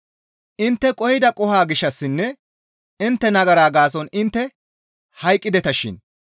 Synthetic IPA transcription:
ʔɪnt̪ːɛkʼɔhɪd̪ɐkʼɔhaːɡɪʃːɐsːɪnːɛ | ɪnt̪ːɛnɐɡɐɾaːɡaːs̬ɔnɪnt̪ːɛ | hɐjkʼːɪd̪ɛt̪ɐʃɪ̰n

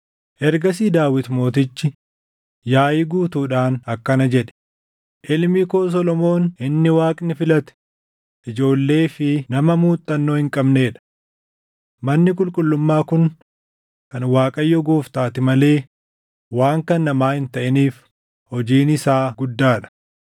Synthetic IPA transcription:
ʔɛɾɡɐs̬iːd̪aːwɪt̪mo̞ːt̪ɪt͡ʃːɪ | jaːjɪɡuːt̪uːᶑaːnɐkːɐnɐd͡ʒɛᶑɛ̥ | ʔɪlmikoːs̬ɔlɔmo̞ːnɪnːɪwaːkʼnɪfɪlɐt̪ɛ̥ | ʔɪd͡ʒo̞ːlːe̞ːfɪnɐmɐmuːt̪ʼːɐnːoːhɪŋkʼɐbne̞ːᶑɐ̥ | mɐnːɪk̬ʼʊlkʼʊlːʊmːaːkʊn | kɐnwaːkʼɐjːɔɡoːft̪aːt̪ɪmɐle̞ː | waːŋkɐnːɐmaːhɪnt̪ɐʔɪniːf | hɔd͡ʒiːnɪsaːɡʊd̪ːaːᶑɐ̥

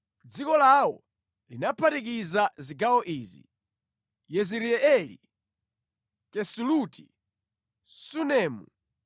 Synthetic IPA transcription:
d͡zikɔlawɔ̰ | linapʰatik̬izaziɡawɔʔiːzḭ | jɛziɾiɛɛlḭ | kɛsulutʰi | sunɛːmu

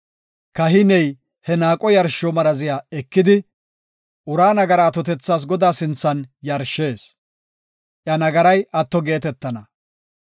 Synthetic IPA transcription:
kɐɦɪnɛj | hɛnaːkʼɔjɐɾʃɔmɐɾɐzɪjaɛkːɪd̪ɪ | ʔʊɾaːnɐɡɐɾaːt̪ɔt̪ɛt͡sːaːs̬ɡɔd̪aːsɪnt͡sːɐnjɐɾʃːe̞ːs | ʔjɐnɐɡɐɾɐjɐt̪ːɔɡe̞ːt̪ɛt̪ːɐnɐ

